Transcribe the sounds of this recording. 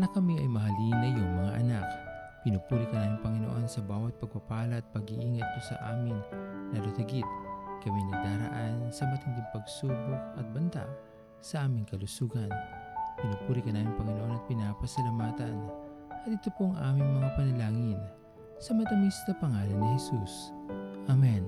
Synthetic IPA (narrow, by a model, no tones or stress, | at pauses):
nɐkɐmiʔɐjmɐɦɐlinɐjoŋmɐŋa̰ʔɐnakpɪnupuːɾikɐnaːmɪŋpɐŋɪno̞ʔo̞nsɐbaːwɐt̪̚pɐɡ̚pɐpaːlɐʔːt̪̚pɐɡiʔiːŋɐt̪̚posɐ̰ʔaːmɪŋnɐlut̪ɐɡit̪̚kɐminɐd̪aːɾɐ̰ʔansɐmɐt̪ɪnd̪ɪŋpɐɡsuːbokɐt̪̚bɐnt̪a̰ʔ | sɐʔaːmɪŋkɐlʊsuːɡɐnpɪnupuːɾikɐnaːmɪŋpɐŋɪnoʔo̞nɐt̪̚pɪnaːpɐsɐlɐmaːt̪ɐnʔɐt̪̚ɪt̪opoŋʔa̰ːmɪŋmɐŋapɐnɐlaːŋɪn | sɐmɐt̪ɐmist̪ɐpɐŋaːlɐnɪhɛsusʔɐmɛn